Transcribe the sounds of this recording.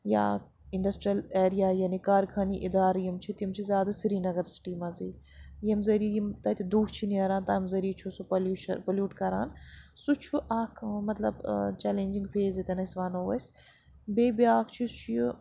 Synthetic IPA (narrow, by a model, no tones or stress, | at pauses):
ja̰ | iɳɖɐsʈɾiɐleːɾijaːjɐnikaːɾkʰaːniʔid̪aːɾjimt͡ʃʰit̪jimt͡ʃʰizʲjaːd̪asiɾiːnɐɡɐɾsʈiːmɐziː | jɐmzɐɾijimt̪ɐt̪ʲid̪uːkt͡ʃʰiniɐɾaːnt̪ɐmzɐɾiːt͡ʃʰusupɐluʃɐ̰pɐljuːʈkɐɾa̰ːnsut͡ʃʰuʔaːkʰmɐt̪lɐbt͡ʃɛːlẽːnʲd͡ʒiŋɡfeːzet̪ɐnɐsʋaːnoːʋɐs | beːbijaːkt͡ʃʰist͡ʃʰiju